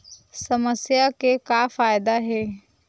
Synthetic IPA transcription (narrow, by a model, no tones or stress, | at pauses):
sɐməsjakekaːfaːjd̪aɦɛː